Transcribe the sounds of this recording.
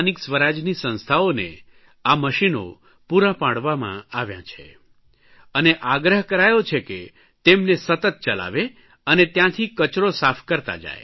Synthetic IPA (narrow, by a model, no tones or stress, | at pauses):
niksʋəɾad͡ʒnisə̃nst̪ʰaonḛ | aməʃino̰ | puɾãpãɽʋamã̰aʋjã̰t͡ʃʰḛ | əneʔaɡɾəɦkəɾajot͡ʃʰeke | t̪emnesət̪ət̪̚t͡ʃəla̰ʋe | ənet̪jãt̪ʰikət͡ʃɾosafʰkəɾt̪a̰d͡ʒa̰ḛ